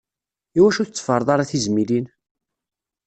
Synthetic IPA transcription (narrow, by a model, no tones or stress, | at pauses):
iwæʃuθət͡sːə̥fəɾˤðˤɑɾˤaθizmilin